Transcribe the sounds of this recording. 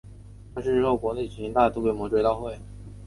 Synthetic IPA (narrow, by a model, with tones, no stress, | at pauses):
ɑ˥˧ʂɻ̩˥˧ʈ͡ʂɻ̩˥xo˥˩ʊkwɔ˧˥ne˥˩ɪt͡ɕʰi˧˥ŋt̪a˥˧t̪u˥˧kwe˥˩ɪmwɔ˧˥ʈ͡ʂwe˥˧ɪt̪ɑ˥˧ʊxwe˥˩ɪ